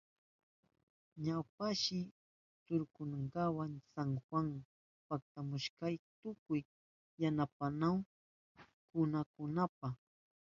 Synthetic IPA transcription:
ɲawpaʃɪ | t͡sʊɾkʊnaŋɢawaŋsaŋxwaŋ | pak̚t̪amʊʃkajt̪ʊkʊjː | anapanaw | kʊnakʊnapa

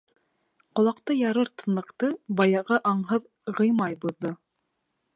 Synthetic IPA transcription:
qŏlˠɑqt̪ɤjɑɾɤɾt̪ɤ̆nlˠɤ̆qt̪ɤbɑjɑʁɤʔɑɴɦɤð | ʁɤ̆jmɑjbuðːo

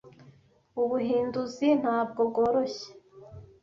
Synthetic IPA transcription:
uβuɦiːnduzin̥haːb̚ɡo̞b̚ɡoːɾoçe̥

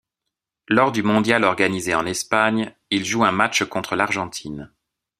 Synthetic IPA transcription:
lɔʁd̪ymɔ̃d̪jalɔʁɡanizeɑ̃nɛspaɲ | ilʒuɛ̃mat͡ʃkɔ̃t̪χəlaʁʒɑ̃t̪ʰin

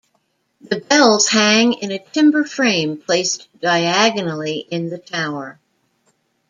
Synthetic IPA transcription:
ðɨbɛlˠz̥hæ̃ŋɪ̃nɨtʰɪ̃mbə˞fɹẽɪ̃mpʰl̥eɪsd̥aɪæɡɨnl̩ˠiʔɪ̃nðɨtʰaʊə˞

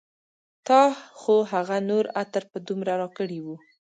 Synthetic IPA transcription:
t̪ɑxoɦaɣanoɾat̪əɾpəd̪umɾaɾɑkəɽiwu

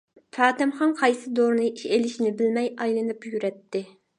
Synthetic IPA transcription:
fʰɑːt̪ɪmχɑnqʰɑjsɨd̪oɾnɨʔiʃelɪʃinɪbɪlmɛjɑjlˠɨnɨpjyɾɛt̪ʰːɪ

